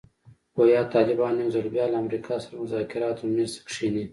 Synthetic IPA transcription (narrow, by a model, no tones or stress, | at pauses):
wajɑt̪ɑːlɪbɑnːiwzalbjɑːlaːmɾikʰɑsaɾamʊzɑːkɪɾɑːt̪omezkʂini